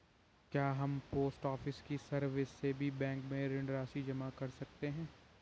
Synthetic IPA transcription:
kjaːɦɐmpoːsʈɔːfɪskisɐɾʋɪsːebʱibɛ̃ːŋkmẽɾɪ̃ɳɖɾaːsid͡ʒɐmakɐɾsɐk̚t̪eɦɛ̃ː

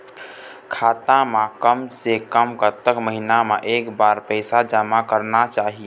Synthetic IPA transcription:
kʰat̪amekəmsekəmkət̪ːəkməɦinameʔekbaɾpəɪsad͡ʒəmakəɾnat͡ʃaɦi

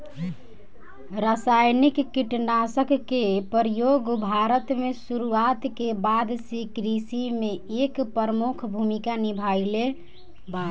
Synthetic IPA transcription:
ɾasajnikːiʈnasəkːepəɾjoɡbʱaɾət̪mesuɾuat̪kebad̪sikɾisimeekpəɾəmukʰbʱumikanibʱale | ba

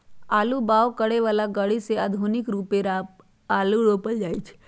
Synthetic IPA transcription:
aːlubaːʋkəɽeʋaːlaɡəɽiseaːd̪ʱunɪkɾuːpeɾaːp | aːluɾoːpəld͡ʒaːit͡ʃʰ

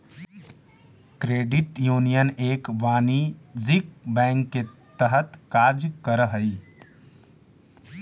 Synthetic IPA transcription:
kɾeːɖɪʈjuːnijəneːkʋaːnizik̚bɛ̃ːŋkːet̪əɦət̪kaːɾd͡ʒkəɾəɦəi

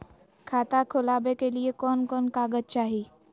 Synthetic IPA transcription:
kʰaːt̪akʰʊlabekeliekɔːnkɔːnkaɡəd̚t͡ʃaːɦi

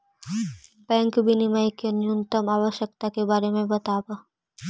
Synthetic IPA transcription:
bɛŋkbinimajkenunt̪omabəʃjek̚t̪akebaɾemebət̪abo

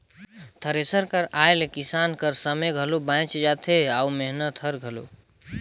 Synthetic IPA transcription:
t̪ʰəɾesəɾkəɾaelkisankəɾsəmeɡʱəlobãt͡ʃd͡ʒat̪ʰeaumeɦnət̪ɦəɾɡʱəlo̰

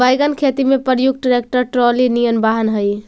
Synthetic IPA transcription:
bajɡənkʰet̪imepəɾjuk̚ʈɾek̚ʈəɾʈɾolinijənbaɦənɦəj

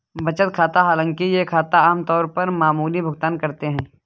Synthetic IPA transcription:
bɐt͡ʃət̪̚kʰaːt̪aɦaːlə̃ŋkijekʰaːt̪aaːmt̪ɔːɾpɐɾmaːmuːlibʱʊɡ̚t̪aːnkɐɾt̪eɦɛ̃ː

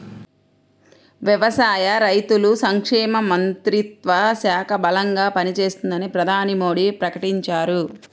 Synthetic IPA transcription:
ʋjiʋɐsaːjɐɾɐjt̪ulusɐŋkʂɛːmɐmɐnt̪ɾit̪ʋɐsaːkʰɐbɐlɐŋɡaːpɐnit͡ʃe̞ːst̪und̪ɐnipɾɐd̪ʱaːnimoːɽipɾɐkɐʈiɲt͡ʃaːɾu

